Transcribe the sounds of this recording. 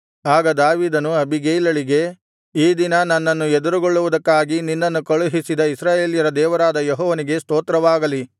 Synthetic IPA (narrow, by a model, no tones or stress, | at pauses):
aːɡɐd̪aːʋiːd̪ɐnuɐbʱiɡeːjlɐɭiɡe̞ | iːd̪inɐnɐnːɐnːued̪uɾuɡoɭːuʋud̪ɐkːaːɡininːɐnːukɐɭuɦisid̪ɐisɾaːje̞ːljɐɾɐd̪ɛːʋɐɾaːd̪ɐjeɦɔːʋɐniɡe̞st̪oːt̪ɾɐʋaːɡɐli